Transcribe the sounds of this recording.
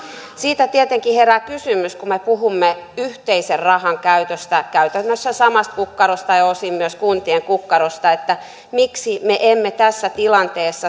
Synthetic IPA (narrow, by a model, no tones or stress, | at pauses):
siːt̪æt̪iet̪eŋkiherækysymyskumepuhumːeyht̪eiserrɑhɑŋkæyt̪øst̪ækæyt̪ønːøsːæsɑmɑst̪̚kukːɑɾost̪ɑjɑosimːyøskunt̪ieŋkukːɑɾost̪ɑet̪ːæ | miksimeʔemːet̪æsːæt̪ilɑnt̪eːsːɑ